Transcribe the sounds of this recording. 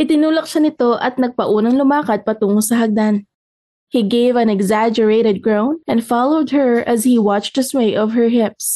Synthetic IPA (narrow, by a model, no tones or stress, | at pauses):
ʔɪt̪ɪnuːlɐk̚ʃanɪt̪o̞ʔɐt̪̚nɐɡ̚pɐʔuːnɐŋlʊmaːkɐd̪̚pɐt̪uːŋosɐɦɐɡ̚d̪an | hiɡejvɐ̃nɛɡzad͡ʒəɹejɾɛd̪̚ɡɹownɐ̃nfalowd̪̚hɛɹɐzhiwɑt͡ʃ̪d̪ɐswejʔɔvhɛɹɦɪps